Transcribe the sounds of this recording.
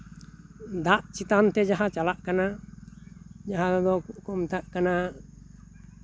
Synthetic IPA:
d̪aʔt͡ʃit̪ant̪ɛd͡ʒaɦat͡ʃalaʔkana | d͡ʒaɦad̪ɔkɔmt̪aʔkana

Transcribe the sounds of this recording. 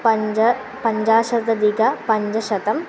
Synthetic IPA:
pɐd͡ʒɐ | pɐɲd͡ʑaːʃɐd̪ɐd̪iɡɐpɐɲd͡ʒɐʃɐt̪ɐm

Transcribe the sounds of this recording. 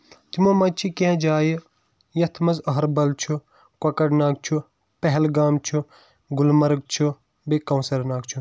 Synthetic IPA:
t̪imoːmɐt͡ʃʰikẽd͡ʒaːji | jɐt̪ʰmɐzɐɦɐɾbɐlt͡ʃʰu | kwɐkɐɽnaːɡ̚t͡ʃʰu | pɛɦɛlɡaːmt͡ʃʰu | ɡulmɐɾɡ̚t͡ʃʰu | bekɐwnsɐɾnaːɡt͡ʃʰu

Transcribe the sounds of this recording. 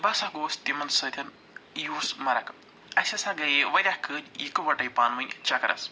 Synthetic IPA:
bɐsaɡoːst̪imɐnsɐt̪ʰʲɐn | juːsmɐɾɐk | ɐsʲɐsɐɡɐjeʋɐɾʲahkɨtʲikɨʋɐʈɐjpaːnʋɐnʲt͡ʃɐkɐɾʔɐ̰s

